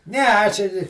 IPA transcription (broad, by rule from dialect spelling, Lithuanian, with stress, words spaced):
ˈnʲɛ ˈɐʃ ɪr